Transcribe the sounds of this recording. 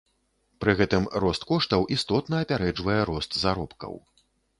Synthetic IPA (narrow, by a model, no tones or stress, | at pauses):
pɾɨɣɛt̪ɨmɾɔst̪kɔʂt̪ɐwʔist̪ɔt̪nɐɐpʲaɾɛd͡ʐvɐjɛɾɔst̪zaɾɔpkɐ̰w